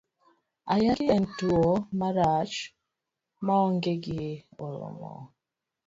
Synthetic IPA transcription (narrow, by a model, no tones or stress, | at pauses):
ajakiɛn̩tuomaɾat͡ʃ | maɔŋɡeɡio̰lɔ̰mɔ̰